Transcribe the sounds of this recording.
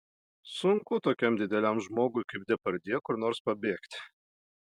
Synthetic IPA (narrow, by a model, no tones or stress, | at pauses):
sʊŋkʊt̪oːkʲɛmd̪ʲɪd̪ʲɛlʲæmʒmoːɡʊɪkɐɪp̚d̪ʲɛpɐɾʲd̪ʲiɛkʊɾnoːɾspɐbʲeːkt̪ʲ